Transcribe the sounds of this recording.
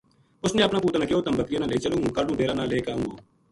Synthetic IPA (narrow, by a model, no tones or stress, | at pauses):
ʊsnẽːəpnaːpuːt̪aːnãːkɪoːt̪əmbəkɾɪjaːnãːleːiːt͡ʃəlũːũːkaːɾɖũːdʱeːɾaːnãːleːkaːũːo̰ː